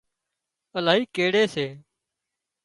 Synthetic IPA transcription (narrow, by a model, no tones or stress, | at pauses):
əlaːɦiːkeːɽeːseː